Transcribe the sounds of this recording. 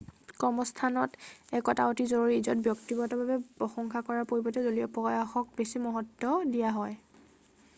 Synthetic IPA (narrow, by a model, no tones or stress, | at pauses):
kɔmɔstʰanɔtɛkɔta̰otizoɹoɹiːzɔt̚bjɔktibɔtɔbabɛpɔxɔŋkʰakɔɹapoɹibɔtɛzoliɔpɔjaxɔk̚besimɔɦɔtːɔdijaɦɔj